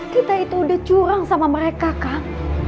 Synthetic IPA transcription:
kit̪ait̪uːdaht͡ʃuɾaŋsamaməɾekaka

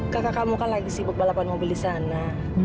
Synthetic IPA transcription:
kakakamukanlaɡisibʊt̪̚balapanmobildisana

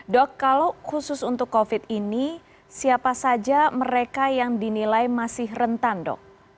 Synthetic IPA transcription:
dɔkːalowkusʊsunt̪ʊkːofɪt̪̚ini | siapasad͡ʒaməɾekajaŋdinilajmasɪhrənt̪andɔ̰k̚

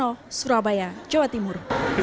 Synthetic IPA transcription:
ɔsuɾabajad͡ʒɔʋat̪imuɾ

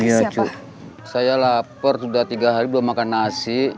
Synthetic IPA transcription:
iat͡ʃu | sajalapɔrsudaht̪iɡaɦaɾibuamakanasi

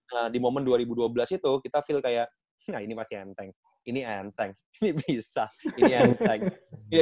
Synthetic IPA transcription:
ʔədimomənduaɾibuduabəlasit̪ukit̪afɪlkajaʔ | nainipastɪant̪ɛŋ | iniant̪ɛŋ | inibisainiant̪ɛŋja

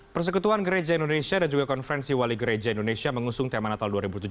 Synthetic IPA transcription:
pərs̬əkut̪uanɡəɾed͡ʒaindonesiadand͡ʒuɡakɔnfəɾɛnsiwaliɡəɾed͡ʒaindonesiaməŋusʊŋt̪amanat̪alduaɾibut̪ud͡ʒ

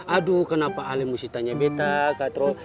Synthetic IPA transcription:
adukənapaːlɛmusit̪aɲabɛt̪akat̪ɾɔ

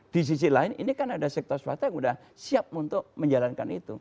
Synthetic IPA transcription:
d̥is̬is̬ilaɪnḭnikanadasɛk̚t̪ɔrsua̰t̪ujaŋudah | siap̚munt̪ʊk̚məɲd͡ʒalanka̰nit̪u

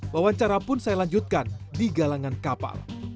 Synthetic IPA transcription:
wawaɲt͡ʃaɾapʊnsajalaɲd͡ʒʊt̪̚kandiɡalaŋankapa̰l

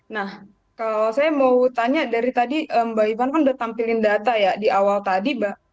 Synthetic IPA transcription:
nah | kalasajamaut̪aɲadaɾit̪adiʔəmbaibankandat̪ampilɪndat̪ajadiʔawalt̪adibaʔ

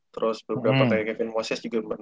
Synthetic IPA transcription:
t̪əɾʔʊsbəbɾapakajakɛfɪnwasɛsd͡ʒuɡambən

